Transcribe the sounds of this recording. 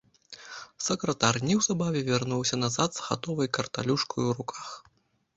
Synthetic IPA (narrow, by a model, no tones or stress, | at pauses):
sɐkɾɐt̪arnʲiwzabavʲɛvʲarnuwsʲɐnazat̪z̥ɣa̰t̪ɔvɐjkɐrt̪a̰lʲuʂkɐjuɾukʰax